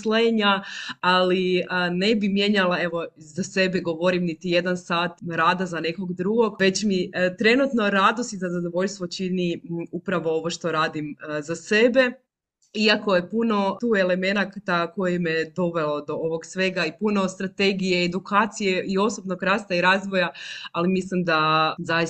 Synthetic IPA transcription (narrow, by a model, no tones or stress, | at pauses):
sleɲaaline̞bimje̞ɲalae̞ʋo̞ | zase̞beɡo̞ʋo̞ɾimnit̪ije̞d̪ansaːt̪ɾaːd̪azane̞ko̞ɡd̪ɾuɡo̞ɡʋe̞t͡ɕmit̪ɾe̞nut̪no̞ɾad̪ost̪izazad̪oʋo̞ʎst̪ʋot͡ɕiniupɾaʋo̞o̞ʋo̞ʃt̪o̞ɾaːd̪imzase̞be̞ | iako̞jepuno̞t̪uːe̞le̞me̞nakt̪ako̞jemed̪o̞ʋe̞lo̞d̪o̞oʋo̞ɡsʋe̞ɡaipuno̞st̪ɾat̪e̞ɡijeːd̪ukaːt̪sijeio̞sobno̞ɡɾaːst̪aiɾaːzʋo̞jaalimislimd̪aza